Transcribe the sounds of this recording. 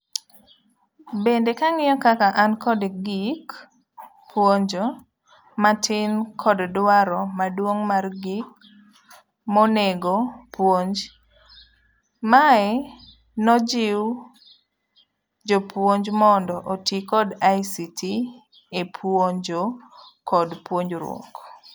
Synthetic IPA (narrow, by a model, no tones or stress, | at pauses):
bendekaŋɪɔkakaʔankɔdɡik | pwoɲd͡ʒo | matɪnkʰɔddwaɾɔmadwoŋmarɡik̚ | mɔneɡopwoɲd͡ʒ | maɛ | nɔd͡ʒɪw | d͡ʒopwoɲd͡ʒmɔndɔʔotikɔdajsitʰi | epʰwoɲd͡ʒokɔdpwoɲd͡ʒɾwo̰ŋɡ